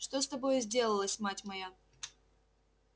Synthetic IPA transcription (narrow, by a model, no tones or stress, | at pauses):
ʂt̪ost̪ɐbo̞jzʲdʲe̞lˠəlˠəsʲmatʲmɐja